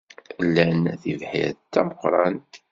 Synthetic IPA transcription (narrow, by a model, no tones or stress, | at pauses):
lːænθivħḭɾt̪ːæməqːɾˤɑnt̪